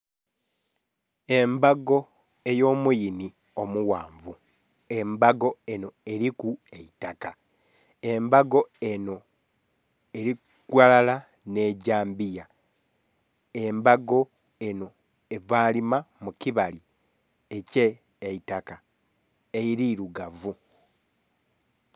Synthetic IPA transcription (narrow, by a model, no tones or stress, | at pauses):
e̞mbaɡo̞ | e̞jo̞ːmujini | o̞muwaːɱvu | e̞mbaɡo̞e̞no̞e̞ɾikue̞itaka | e̞mbaɡo̞e̞no̞ | eɾi | kwalala | ne̞ɟaːmbija | e̞mbaɡo̞ | eno̞ | evaːlimamukiβali | ece̞ː | itaka | eiɾiːɾuɡavu